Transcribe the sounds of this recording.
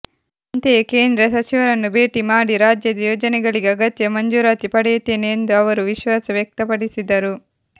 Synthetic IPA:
ɐnt̪e̞ːke̞ːnd̪ɾɐsɐt͡ʃiʋɐɾɐnːube̞ːʈimaːɽiɾaːd͡ʒjɐd̪ɐjoːd͡ʒɐnɛɡɐɭiɡeɐɡɐt̪jɐmɐɲd͡ʒuːɾaːt̪ipɐɽɛjut̪eːneːnd̪uɐʋɐɾuʋiʃʋaːsɐʋjɐk̚t̪ɐpɐɽisid̪ːɐɾu

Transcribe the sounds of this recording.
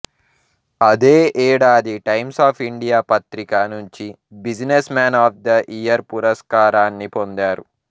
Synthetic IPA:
ɐd̪eːʔɛːɽaːd̪iʈɐjmsaːpʰiɳɖijaːpɐt̪ɾikaːnuɲt͡ʃi | bid͡ʒnesmaːnaːp̚ʰd̪ɐʔijɐɾpuɾɐskaːɾaːnːipo̞nd̪aːɾu

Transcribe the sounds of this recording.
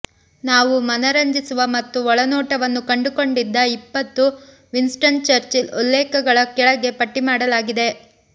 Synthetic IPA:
naːʋumɐnɐɾɐɲd͡ʒisuʋɐmɐt̪ːuɔɭɐnɔːʈɐʋɐnːukɐɳɖuko̞ɳɖid̪ːɐipːɐt̪ːu | ʋinsʈɐnt͡ʃɐɾt͡ʃilulːɛːkɐɡɐɭɐkɛɭɐɡe̞pɐʈːimaːɽɐlaːɡid̪e̞

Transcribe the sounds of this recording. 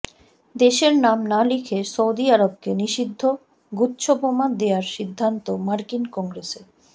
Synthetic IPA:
d̪eʃeɾnamnalikʰesoud̪iaɾob̚keniʃid̪ʱːo | ɡutːɕʰobomad̪eaɾʃid̪ʱːant̪omaɾkinkɔŋɡɾeseɾ

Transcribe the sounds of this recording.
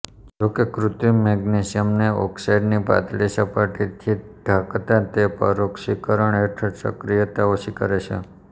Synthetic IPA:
d͡ʒokekɾut̪imɛɡnesijəmneɔ̰ksajɖnipa̰t̪lesapaʈit̪ʰid̪̥ʱakt̪ãt̪epəɾokʃikəɾəɳeʈʰəʈsə̰kɾijət̪aoʃikəɾet͡ʃʰḛ

